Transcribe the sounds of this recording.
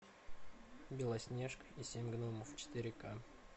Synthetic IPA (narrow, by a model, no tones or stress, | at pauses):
bʲɪlˠɐsʲnʲeʂkəisʲemʲɡnoməft͡ɕɪ̥t̪ʲɪɾʲɪka